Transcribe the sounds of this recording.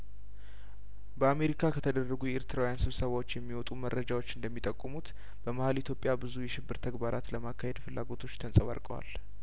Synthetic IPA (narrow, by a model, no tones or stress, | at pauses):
bəame̞ɾikʰakʰət̪ʰəd̪ərːəɡujɛeɾt̪ʰɨɾawjansɨβsəβawot͡ʃːjɛmːiwɔt̪ʼumərːəd͡ʒawot͡ʃːɨnd̪əmːit̪ʼəkʼːmut̪ | b̥əməhalit̪ʰjo̞pʼjabɨzujɛʃɪbːɨɾt̪ʰəɡbaɾʔat̪ləmakʰːahe̞d̪fɨlːa̰ɡo̞t̪ʰo̞t͡ʃːt̪ʰənsʼəβa̰ɾkʼəwa̰l